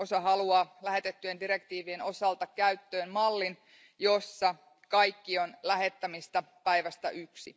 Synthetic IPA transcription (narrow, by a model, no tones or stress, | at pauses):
o̞sɑɦɑluɑːlæɦe̞t̪et̪ːyendiɾe̞kt̪iːʋieno̞sɑlt̪ɑkkæɥt̪ːøːmmɑlːin | jo̞sːɑ | kɑjkːio̞nlæɦe̞t̪ːæmist̪ɑ | pæjʋæst̪æʔyksḭ